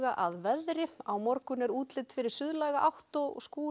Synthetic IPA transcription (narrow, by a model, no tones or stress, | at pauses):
ɣaʔaðvɛðɾɪawmɔɾkʏnɛɾuːt̪lɪt̪fɪɾɪɾ̥sʏðlajɣaʔawht̪ɔskuː